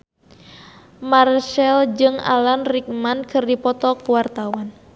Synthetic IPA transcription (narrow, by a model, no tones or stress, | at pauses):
marʃɛld͡ʒɨŋa̰lanrik̚mankʰɨrdipɔt̪ɔkuwart̪awan